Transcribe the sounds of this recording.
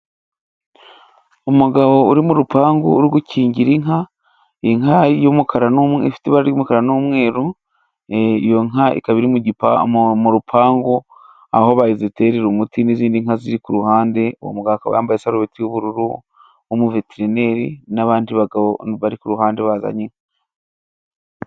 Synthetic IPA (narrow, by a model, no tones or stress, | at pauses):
umuɡaβo̞uɾimuɾupʰaːŋɡo̰uɾiɡuciːɲɟiɾiŋɦa | iŋajomukʰaɾanumḛfi̥teβaɾɾiumukaɾanuːmŋe̞ːɾu | ijo̞ŋaʔḭkaβiɾimuɟipamuɾupʰaːŋɡo | a̰ho̞βajizete̞ːɾeɾumutiniziːndiŋhaziɾikuɾuhaːnde̞wo̰muɡawakaβa̰jaːmbajesaɾoβetijoβuɾuɾu | omuveteɾine̞ɾinaβaːndiβaɡaβoβaɾikuɾuɦaːnde̞βaza̰ɲiŋ